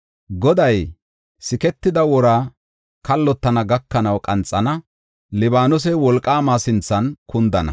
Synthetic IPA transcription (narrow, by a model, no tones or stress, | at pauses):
ɡɔd̪ɐj | sɪkɛt̪ːɪd̪ɐwɔɾaː | kɐlːɔt̪ːɐnɐɡɐkːɐnɐwkʼɐnt͡sʼːɐnɐ | lɪbaːnʊs̬ɛwɔlkʼːaːmaːsɪnt͡sːɐnkʊnd̪ɐnɐ̰